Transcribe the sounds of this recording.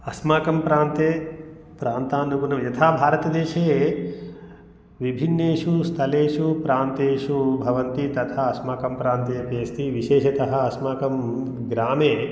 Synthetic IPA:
ɐsmaːkɐmpɾaːnt̪eː | pɾaːnt̪aːnuɡunɐmjɐt̪ʰaːbʱaːɾɐt̪ɐd̪eːʃeː | ʋibʱinːeːʂust̪ʰɐleːʂupɾaːnt̪eːʂubʱɐʋɐnt̪it̪ɐt̪ʰaːɐsmaːkɐmpɾaːnt̪ɐjɐpeːst̪iʋiʃeːʃɐt̪ɐɦɐɐsmaːkɐm | ɡɾaːmeː

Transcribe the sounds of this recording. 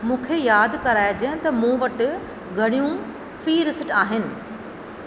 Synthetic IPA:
mũːkʰejaːd̪ʱkɐɾaːed͡ʑɐɦt̪ɐmũːʋɐʈ | ɡʱɐɽ̃ijũ | fiːɾɪsʈaːɦɪnɪ̆

